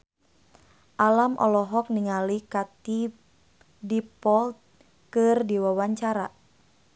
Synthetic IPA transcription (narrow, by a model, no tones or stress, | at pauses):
ʔalamʔɔ̰lɔɦɔk̚niŋalikat̪i | dipɔlt̪̚ | kɨrdiwawaɲt͡ʃaɾa